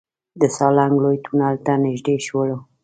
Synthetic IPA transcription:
d̪əsɑlaŋɡlojt̪ʰunalt̪anɪʒd̪eʃwələ

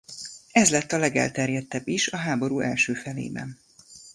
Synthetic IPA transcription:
ɛzlɛt̪ːɒlɛɡɛ̰lt̪ɛrjɛt̪ːɛbːiʃɒɦaːbo̞ɾuːʔɛlʃøːfɛlḛːbɛ̰n

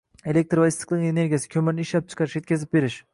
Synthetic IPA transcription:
e̞lʲek̚ʲt̪ɾvaist̪ʰɪ̥qlˠɪŋene̞ɾɡʲijasɪ̥kʲʰɵmɪɾnɪʃlap̚t͡ʃʰɨ̥qʰɑɾɪʃje̞t̪kʲʰazɪp̚be̞ɾɪʃ

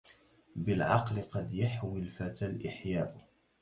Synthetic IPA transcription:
bɪlʕɑqlɪqɑd̪jaħwɪlfat̪alʔɪħjaːʔʊ

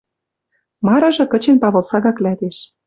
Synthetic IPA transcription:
mɑɾɤ̆ʒɤ̆kə̆t͡ɕenpɑβɤ̆lsɑɣɑklæt̪eʃ

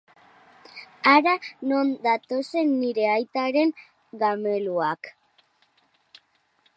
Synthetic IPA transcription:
aɾano̞nd̪at̪o̞se̞nːiɾe̞ajt̪aɾe̞ŋ | ɡame̞luak

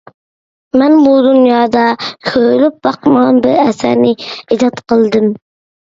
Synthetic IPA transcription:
mɛnbud̪unjɑːd̪ɑkʲʰølyp̚bɑqəməʁɑnbɪɾɛsæ̰ɾnɪid͡ʒ̪ɑt̪qəlˠd̪ɨm

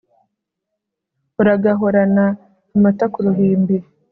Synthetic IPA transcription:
uɾaɡaɦoɾanaː | matakuɾuɦiːmbi

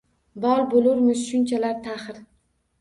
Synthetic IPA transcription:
bɒlˠbolʊɾmɪzʃʊnt͡ʃʰalaɾt̪ʰaχɾ

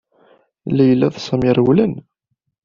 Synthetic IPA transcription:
læjlːæðˤsˤɑmiɾˤwlən

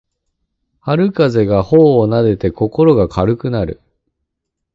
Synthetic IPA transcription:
haɾɯ̟kaze̞ɡahoːnad̪e̞t̪e̞ko̞ko̞ɾo̞ɡakʰaɾɯ̟kɯ̟naɾɯ̟̰

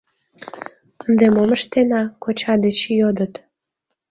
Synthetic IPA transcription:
ənd̪emoməʃt̪enɑkot͡ɕɑd̪et͡ɕjod̪ət̪

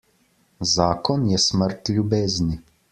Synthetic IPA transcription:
zaːkɔnjɛsməɾt̪lʲjubeːzni

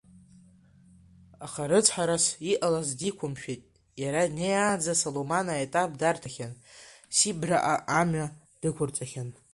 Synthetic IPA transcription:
aχaɾɨt͡sʰʼħaɾasiʔalazdikʷʰʊmʃᶣetʼ | jaɾadnejaːd͡zasolomanaetʼab̚dartʰaχʲan | sibra̰ʔaʔːmɥa | d̥ɨkʷʰʊrt͡sʼaχʲan

